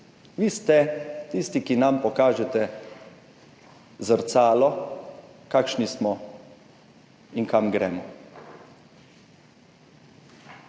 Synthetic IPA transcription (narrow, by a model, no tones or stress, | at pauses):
ʋiːst̪ɛt̪iːst̪ikinampɔkaːʒɛt̪ɛ | zəɾt̪saːlɔ | kakʃnismɔ | inkamɡɾɛːmɔ